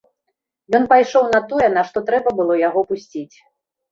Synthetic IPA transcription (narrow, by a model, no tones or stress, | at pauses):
jɔn̪pajʂɔwnɐt̪ɔjɛnɐʂt̪ɔt̪ɾɛbɐbɨlˠɔjaɣɔpusʲt͡sʲit͡sʲ